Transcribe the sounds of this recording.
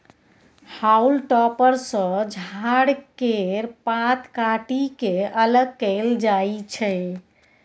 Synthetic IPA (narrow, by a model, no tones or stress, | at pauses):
haulʈɔpəɾsə̃d͡ʒʱaɽkeɾpãt̪kaʈikeələɡ̚kəɪld͡ʒajt͡ʃʰɛ